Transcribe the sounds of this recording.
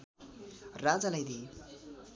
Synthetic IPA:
rad͡zalajd̪i

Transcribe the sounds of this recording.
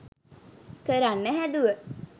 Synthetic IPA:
kəɾanːəɦæd̪uʋə

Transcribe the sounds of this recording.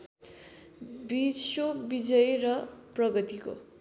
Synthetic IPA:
bisobid͡zʌjrʌprʌɡʌt̪iko̰

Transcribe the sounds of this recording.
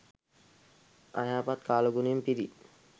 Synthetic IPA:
a̰jaːpat̪kaːloɡunmpiɾi

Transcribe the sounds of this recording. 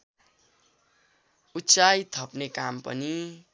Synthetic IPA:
ut͡sajt̪ʰʌpnekampʌ̰ni

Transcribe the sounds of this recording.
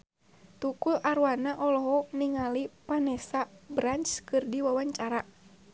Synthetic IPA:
t̪ukulʔaɾwanaʔɔlɔɦɔniŋalipanɛsabɾant͡ʃkɨrdiwawaɲt͡ʃaɾa

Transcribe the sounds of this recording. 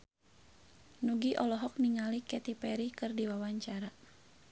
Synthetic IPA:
nuɡiʔɔlɔɦɔk̚niŋalikɛt̪ipɛɾikɨrdiwawaɲt͡ʃaɾa

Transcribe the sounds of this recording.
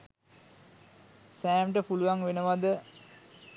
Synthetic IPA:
sæːmʈəpuluʋaŋʋenəʋad̪ə

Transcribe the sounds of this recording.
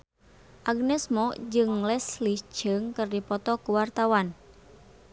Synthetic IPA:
ʔaɡnɛsmɔd͡ʒɨŋlɛslit͡ʃɨŋkɨrdipɔt̪ɔkuwart̪awan

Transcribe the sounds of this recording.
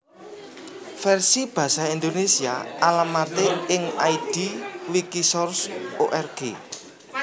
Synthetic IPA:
fɛrsib̥ä̤saind̪onesia̰alamat̪eɪŋajd̥iwikisɔrsoʔɛrɡ̥e

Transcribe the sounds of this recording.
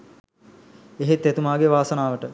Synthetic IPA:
eɦet̪ːet̪umaːɡeʋaːsənaːʋəʈə

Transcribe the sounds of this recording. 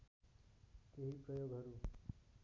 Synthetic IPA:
keɦipɾəjoːɡʱɦɐɾuː

